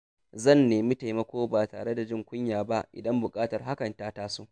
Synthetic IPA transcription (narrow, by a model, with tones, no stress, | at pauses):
zɐ˦˨nːeː˨mi˦ta˨jmɐ˦kʷoː˦baː˨taː˨ɽe˦da˨d͡ʒɪ˦ŋkʷʊ˦ɲjaː˨ba˦ʔɪ̰˨dɐ˦mbʊ˨kʼaː˦tɐ˨rɦa˦kɐ˨ntaː˦taː˦suː˦ʔ